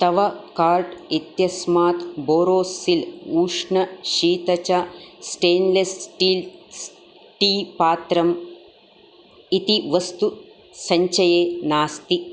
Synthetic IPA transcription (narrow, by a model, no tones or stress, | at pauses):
t̪ɐʋɐkaːɾʈit̪jɐsmaːt̪boːɾoːsiluːʂɳɐʃiːt̪ɐt͡ʃasʈeːnlesʈiːls | ʈiːpaːt̪ɾɐm | it̪iʋɐst̪u | sɐɲt͡ʃɐjeːnaːst̪i